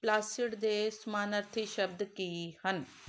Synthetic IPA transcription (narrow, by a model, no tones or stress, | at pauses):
plaːsiʈd̪eːsmaːnɐɾt̪ʰiʃəb̚d̪kiːhən